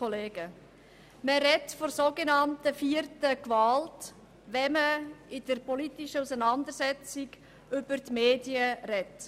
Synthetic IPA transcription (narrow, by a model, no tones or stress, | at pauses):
ɔleːɡ̥ə | məɾɛtfɔɾsoɡenɑntəfiːərtəkvɑlt | ʋɛməɪd̥əɾpɔlitiʃəusənɑnd̪əɾsɛt͡sɪɡ | ʏb̥əɾtmeːdiəɾɛt